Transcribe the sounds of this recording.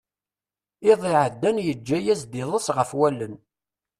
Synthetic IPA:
ɪðˤɪʕəd̪ːænjəd͡ʒːæjæzd̪ɪðˤəsʁəfwælːən

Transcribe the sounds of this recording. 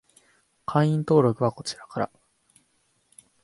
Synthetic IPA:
kʰãɰ̃ĩnt̪o̞ːɾo̞kɯ̟βako̞t͡ɕiɾakaɾa̰

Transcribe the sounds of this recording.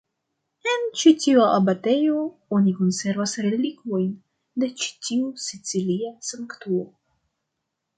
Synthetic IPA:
ent͡ʃitiuaʔabat̪e̞jo | onikonse̞ɾvasɾelikvo̞jn | d̪e̞t͡ʃi̥tiusit͡siliasaŋkt̪uo

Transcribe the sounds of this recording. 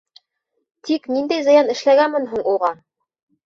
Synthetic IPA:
t̪ʰiknind̪æjzɤ̆jɑnɘ̆ʃlæɡænmɘnɦuɴuʁɑ

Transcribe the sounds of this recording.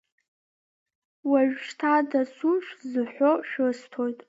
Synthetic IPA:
waʒᶣʷʃtʰadasuʃzɨħʷᶣoʃᶣɨstʰojtʼ

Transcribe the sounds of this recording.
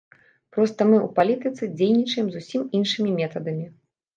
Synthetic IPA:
pɾɔst̪ɐmɨupalʲit̪ɨt̪sɨd͡zʲejnʲit͡ʂɐjɛmzusʲiminʂɨmʲimʲɛt̪ɐd̪ɐmʲi

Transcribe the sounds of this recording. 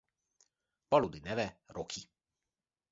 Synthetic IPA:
pɔlud̪inɛʋɛɾokʰi

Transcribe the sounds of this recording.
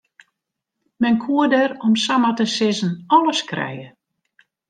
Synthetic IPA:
mɛnkʰuədɛɾɔmsamatəsɪzənɔləskrɛ̰jə

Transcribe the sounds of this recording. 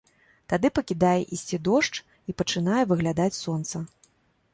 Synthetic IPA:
t̪ad̪ɨpɐkʲid̪ajɛʔisʲt͡sʲid̪ɔʂt͡ʂ | ipɐt͡ʂɨnajɛvɨɣlʲad̪at͡sʲsɔnt̪sɐ

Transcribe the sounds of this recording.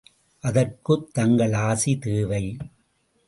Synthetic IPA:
ʔɐðɐrkɯt̪ːɐŋɡɐɭaːsit̪eːʋɐɪ

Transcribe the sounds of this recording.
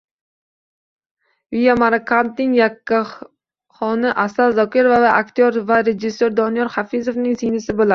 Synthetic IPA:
vijamaɾakʰant̪nɪŋjakʲːa | χɒnɪʔasaɾzɒkʲɪɾvavaʔakʲt̪ʰoɾvaɾed͡ʒɪsːoɾd̪ɒnɪjɒɾχafizovnɪŋsejnɪsɪbolˠa

